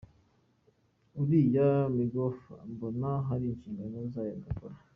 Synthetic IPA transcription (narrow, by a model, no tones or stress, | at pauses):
uɾijamiɡofambonaɦaɾiːnʃiːŋɡanozajeːŋɡakoɾa